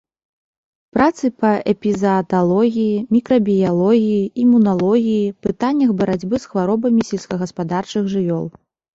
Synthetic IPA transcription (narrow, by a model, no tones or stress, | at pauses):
pɾʔat̪sɨpɐɛpʲizɐːt̪alˠɔɣʲijimʲikɾɐbʲijalˠɔɣʲijiimːunalˠɔɣʲijipɨt̪anʲːɐxbɐɾad͡zʲbɨsxvaɾɔbɐmʲisʲɛlʲskɐɣɐspad̪art͡ʂɨɣʐɨvʲɔlˠ